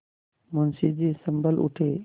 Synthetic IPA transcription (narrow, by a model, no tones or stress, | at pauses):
mənsid͡ʑisəmbəlʔṵʈʰe